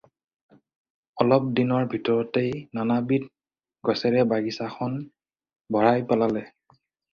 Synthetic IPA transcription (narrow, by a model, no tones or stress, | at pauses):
ɔlɔp̚dinɔɹbʱitɔɹɔtejnanabit̚ | ɡɔsɛɹɛbaɡisaxʰɔn | bʱɔɹajpalalɛ